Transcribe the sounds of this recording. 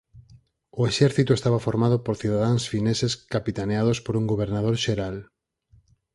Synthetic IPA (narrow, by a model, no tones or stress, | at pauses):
oeʃɛɾθit̪ʊest̪aβafoɾmaðʊpoɾθiðaðaŋsfineseskapit̪aneað̞ospoɾuŋɡoβeɾnað̞oɾʃeɾal